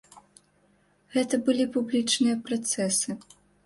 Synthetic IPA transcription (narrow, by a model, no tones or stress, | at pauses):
ɣɛt̪ɐbɨlʲipublʲit͡ʂnɨjɐpɾat̪sɛsɨ